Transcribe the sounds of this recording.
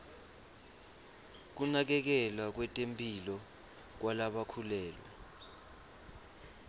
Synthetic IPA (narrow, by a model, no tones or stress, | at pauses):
k̬unak̬ɛk̬ɛlwak̬wɛtʼempʼilɔ | k̬walaɓakʰulɛːlwa̰